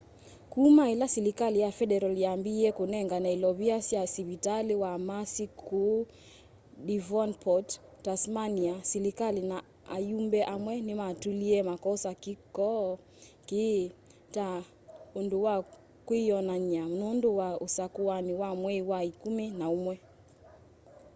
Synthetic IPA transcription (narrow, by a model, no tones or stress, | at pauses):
kumailasilikalijafɛɗɛɾaliambiɛkunɛŋɡanailɔβiasiasiβitaliwamasikʰu | ɗivɔnpʰɔttasmaniasɛlikalina | a̰jumbɛʔamwɛnimatuliɛmakɔsakikɔ | ki | ta | unduwa | kwijɔnaɲam̩nunduwausakuaniwamwɛiwaikuminaumwɛ